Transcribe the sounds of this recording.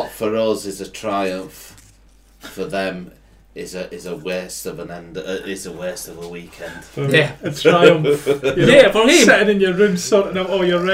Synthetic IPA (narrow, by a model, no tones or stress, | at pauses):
tfəɹəzɪzətʰɹ̥aɪə̃ɱf | fəðə̃m | ɪzəʔɪzəwɛˑstəvə̃nɛ̃ndəɪzəwɛˑstəvəwiˑkʰɛ̃nd̥əətʰɹ̥aɪə̃ɱfjəɛfɛʔə̃nɪ̃njəɹʉmsɔnənawʔɔjəɹɛ